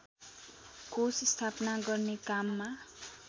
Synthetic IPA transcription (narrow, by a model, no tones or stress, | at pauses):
kosist̪ʰapnaɡʌrnekamːa